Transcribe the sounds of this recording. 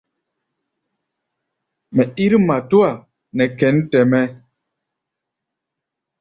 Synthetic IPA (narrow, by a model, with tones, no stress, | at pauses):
mɛ˨i˦ɾi˦ma˨tu˦a˨ | nɛ˨kɛ˨˦n˦tɛ˨mɛ˦